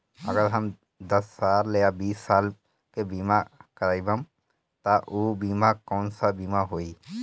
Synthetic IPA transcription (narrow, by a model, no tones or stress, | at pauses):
ə̰ɡəɾɦəm | d̪ɐsːaːlːeːabiːsːaːl | kebiːmakəɾaːibə̃m | t̪aʔoːbiːmakɔːnsabiːmaɦoːi